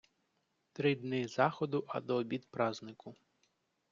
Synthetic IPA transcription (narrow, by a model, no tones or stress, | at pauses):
t̪ɾɪd̪nɪzɑxɔd̪ʊʔɐd̪ɔːbʲid̪pɾɑznɪkʊ